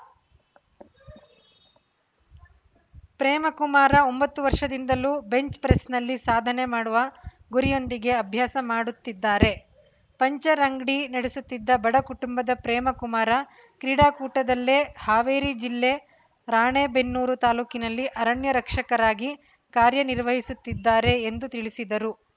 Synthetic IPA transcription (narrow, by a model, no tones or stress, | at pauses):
pɾɛːmɐkumaːɾɐo̞mbɐt̪ːuʋɐɾʂɐd̪ind̪ɐluːbe̞ɲt͡ʃpɾesnɐlːisaːd̪ʱɐne̞maːɽuʋɐ | ɡuɾijo̞nd̪iɡe̞ɐbʱjaːsɐmaːɽut̪ːid̪ːaːɾe̞ | pɐɲt͡ʃɐɾɐŋɡɽinɐɽesut̪ːid̪ːɐbɐɽɐkuʈumbɐd̪ɐpɾɛːmɐkumaːɾɐ | kɾiːɽaːkuːʈɐd̪ɐlːe̞ːhaːʋeːɾid͡ʒilːe̞ | ɾaːɳeːbe̞nːuːɾut̪aːluːkinɐlːiʔɐɾɐɳjɐɾɐkʂɐkɐɾaːɡi | kaːɾjɐniɾʋɐɦisut̪ːid̪ːaːɾe̞ːnd̪ut̪iɭisid̪ɐɾu